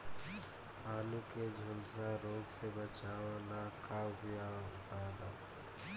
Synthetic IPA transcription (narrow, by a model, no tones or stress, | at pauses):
aːlũked͡ʒʱʊlsaɾoːɡsebət͡ʃaːʋãnakaːwɦʊjapaːd̪aː